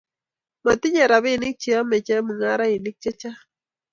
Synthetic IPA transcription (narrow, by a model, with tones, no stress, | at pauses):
ma˨t̪ɪ˦ɲa˨ɾa˨βɪ˦nɪ˦k̚t͡ʃi˨a˦mɛ˨t͡ʃɛ˦mɨ˨ŋa˦ɾa˦ɪ˨nɪ˦k̚t͡ʃɛ˦t͡ʃa˦